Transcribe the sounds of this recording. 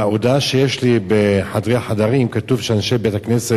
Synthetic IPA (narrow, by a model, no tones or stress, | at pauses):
aod̪aʃejeʃlibeħad̪ʁeaħad̪aʁimkat̪uvʃeanʃebet̪aknese